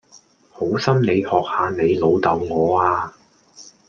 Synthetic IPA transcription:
ho˨˥wsɐ˥mne˨˧jhɔː˨k̚haː˨˧ne˨˧jlo˨˧wt̪ɐ˨˧wŋɔː˨˧aː˧

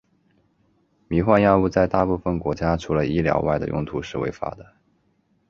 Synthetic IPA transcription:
mi˧˥xwa˥˧njɑ˥˧ʊu˥˧t͡sa˥˧ɪt̪a˥˧pu˥˩fə˥˩nkwɔ˧˥t͡ɕja˥ʈ͡ʂʰu˧˥lə˧i˥ljɑ̰˧˥ʊwa˥˩ɪd̪ə̰˩jʊ̰˥˩ŋt̪ʰu˧˥ʂɻ̩˥˩wḛ˧˥ɪfa̰˧˥d̪ə˨

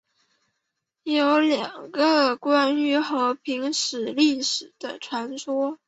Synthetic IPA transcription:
jo˧˥ʊljɑ˨˩ŋɡə˧kwa˥ny˥xɤ˧˥pʰi˧˥ŋʂɻ̩˨˩li˥˩ʂɻ̩˨˩d̪̥ə˦ʈ͡ʂʰwa˧˥nswɔ˥

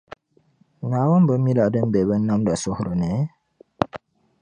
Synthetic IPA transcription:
na˨˦ba˦m˦bə˦mi˦la˨də˦m˦be˨bə˦nːa˦mda˨sʊ˦hɾə˨nɛ˨˦

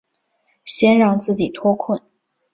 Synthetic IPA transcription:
ɕjɛ˥nɻɑ˥˧ŋt͡sɹ̩˥˩t͡ɕi˨˩t̪ʰwɔ˥kʰwə˥˩n

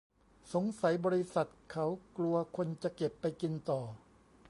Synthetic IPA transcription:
so˩˦ŋsa˩˦jbɔː˧ɾi˧˥sa˨˩t̪̚kʰa˦˥wklu˧ɐkʰo˧nt͡ɕa˨˩ke˨˩pːa˧jki˧nt̪ɔː˨˩

